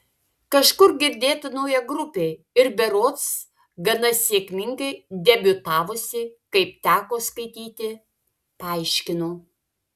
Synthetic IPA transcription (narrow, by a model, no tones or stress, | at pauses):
kɐʃkʊɾɡʲɪɾʲd̪ʲeːt̪ʊnɐʊjɛɡɾʊpʲeː | ɪɾbʲɛɾoːt̪s | ɡɐnɐsʲeːkʲmʲɪŋɡɐɪd̪ʲɛbʲʊt̪ɑːʋosʲɪkɐɪp̚t̪ʲæːkoːskɐɪt̪ʲiːt̪ʲɪ | pɐɐɪʃʲkʲɪnoː